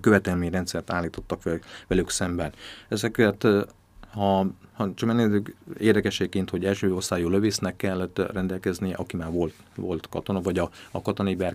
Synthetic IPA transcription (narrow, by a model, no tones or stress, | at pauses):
køvɛt̪ɛlmeɲrɛnt̪sɛrt̪aːlːiːt̪o̞t̪ːɒkʋɛvʋɛlyksɛmbɛnɛzɛkɛt̪ | hɒhɒt͡ʃɒkmɛnːezykeːrd̪ɛkɛʃeːkkːeːnt̪ho̞ɟɛlʃøːorst̪aːjoːløveːsnɛkːɛlːɛt̪rɛnd̪ɛlkɛznijɛʔɒkimaːrvo̞lt̪vo̞lt̪kɒt̪o̞nɒvɒɟɒɒkɒt̪onɒibɛr